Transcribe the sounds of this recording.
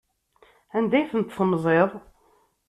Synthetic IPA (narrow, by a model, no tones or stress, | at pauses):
ænd̪æjθənt̪θəmzˤeðˤ